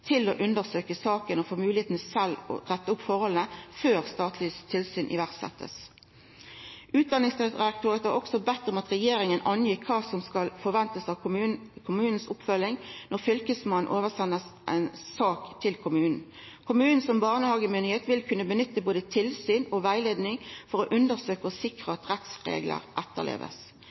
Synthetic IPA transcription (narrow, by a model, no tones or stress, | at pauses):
t̪ʰɪloːʔʉnd̪əʁsøːkəsɑːkənɔfoːmʉːlɪeːt̪n̩sɛlɔ̰ʁɛt̪ːəʊpfɔʁhɔlənəføːʁst̪ɑːt̪ʰliːst̪ʰɪlsyːnʔɪ̰ʋæʁt̪sɛ̰t̪ʰːə̰s | ʔʉːt̪̚d̪ɑnɪŋsʁɛɑkt̪ʰøːʁət̪ɑʁɔksɔbɛt̪ːʁɔmɑt̪ʁɛjeːʁɪŋənʔɑnjɪkʰːɑːsɔmskɑlfɔʁʋɛnt̪əsɑʋkʰʊmʉːnn̩sʊpfœlɪŋnɔʁfʏlkəsmɑnn̩ʔoːʋəʁsɛnːəsʔɛ̰nsɑːkt̪ʰɪlkʰʊmʉːnn̩ | kʰʊmʉːnn̩sɔmbɑʁnəhɑːɡəmʏnɪheːt̪ʋɪlkʰʉnːəbənʏt̪ːəboːd̪ət̪ʰɪlsyːnɔʋæɪleːd̪nɪŋfɔʁoːʔʉnd̪əʁsøːkəɔsɪkʁəɑt̪ʁɛt̪sʁḛːɡlə̰ʁʔɛt̪ːə̰ʁlḛːʋə̰s